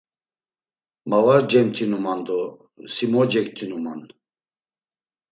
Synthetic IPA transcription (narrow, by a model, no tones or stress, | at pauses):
mavaɾd͡ʒɛmt̪ʰinumand̪ɔ | simɔd͡ʒɛk̚t̪ʰinuman